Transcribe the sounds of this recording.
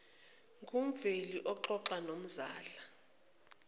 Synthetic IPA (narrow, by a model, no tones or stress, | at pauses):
ŋɡʱum̩veliʔɔǃɔǃanom̩zaːɬḁ